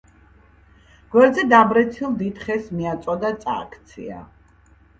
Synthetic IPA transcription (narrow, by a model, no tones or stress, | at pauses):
ɡ̥wɛɾd̪zɛd̪abɾɛt̪sʰilˠd̪it̪χɛsmiat̪sʼɔd̪at̪sʼa̰kʰt̪sʰḭa̰